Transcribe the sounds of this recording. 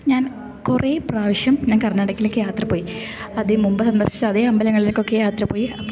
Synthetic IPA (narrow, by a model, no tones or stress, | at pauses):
ɲaːn | kureːpraːʋɐɕjɐmɲaːnkɐrɐɲːɐɽɐkːilokːejaːt̪rɐpoːji | ɐðɨmumbɐsɐnd̪ɐ̰rɕi̥t͡ɕːɨɐðeːɐmbɐlɐŋːɐɭilokːo̞kːejaːt̪rɐpo̞ːjiɐpː